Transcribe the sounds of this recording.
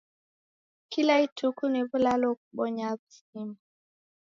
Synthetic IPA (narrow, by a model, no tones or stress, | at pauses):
kilaitʰukuniβulalɔk̚uɓɔɲaβusima